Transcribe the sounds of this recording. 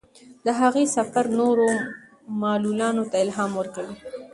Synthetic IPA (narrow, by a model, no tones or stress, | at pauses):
d̪̥əɦaɣesafaɾnoɾo | mɑlulɑnot̪aɪlɦɑːmwəɾkawi